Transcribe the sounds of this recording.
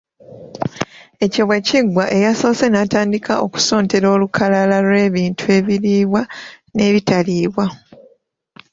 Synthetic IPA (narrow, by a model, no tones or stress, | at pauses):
e̞coβwe̞ciɡwaʔe̞jaso̞se̞nataːndikao̞ku̥so̞ːnte̞ɾo̞ːlukʰalalalwe̞ːβiːntʰue̞ːβiɾiːβwa | ne̞ːβitaliːβwa